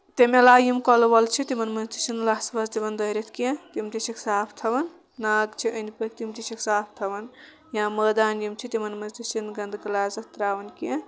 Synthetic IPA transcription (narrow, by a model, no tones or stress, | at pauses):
t̪emelaːjimkɐlʋɐlt͡ʃʰit̪imɐnmɐnzt̪i̥sinlaːsʋɐzt̪iʋɐnd̪ɐiɾet̪ʰkiɐ̃t̪imt̪isiksaːpʰt̪ʰɐʋɐn | naːɡt͡ʃʰiʔɐnpɐk̚t̪imt̪isiksaːpʰt̪ʰɐʋɐn | jãːmɐːd̪aːnjimt͡ʃʰit̪imɐnmɐnzt̪isinɡɐnd̪ɡɐlaːzɐt̪ɾaːʋɐnkiɐ̃